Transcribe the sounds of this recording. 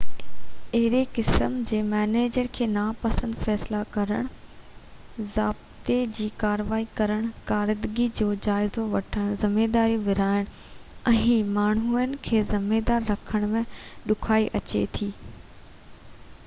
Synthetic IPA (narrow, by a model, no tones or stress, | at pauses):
ɐɦɾekɪsəmd͡ʑeːmɛːneːd͡ʑəɾkʰeːnaːpɐsə̃nd̪fɛːslakɐɾəɽ̃ | zaːb̚t̪ed͡ʑiːkaːɾʋaːikɐɾəɽ̃kaːɾd̪ɡid͡ʑoːd͡ʑaːɪzoʋɐʈʰəɽ̃zɪmeːd̪aːɾjũʋɪɾaːɪɽ̃ | ɛ̃ɪmaːɳ̤ɦuənɪ̆kʰeːzɪmeːd̪aːɾːɐkʰəɽ̃mẽɗʊkʰaːiʔɐt͡ɕḛt̪ʰiː